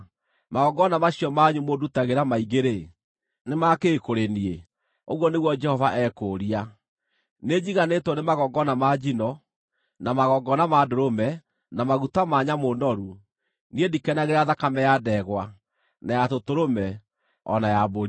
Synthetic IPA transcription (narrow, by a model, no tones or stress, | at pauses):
maɣɔɡɔnamaɕiɔmaɲumodutaɣeɾamaiɣeɾe | nemakeːkoɾenie | oɣwɔneɣwɔd͡ʒɛhɔvaʔɛkoɾia | ned͡ʑiɣanetɔnemaɣɔɡɔnamad͡ʒinɔ | namaɣɔɡɔnamadoɾomɛ | namaɣutamaːɲamonɔɾu | niedikɛnaɣeɾaðakamɛjadɛɣwa | najatotoɾomɛ | ɔ̰najaboɾi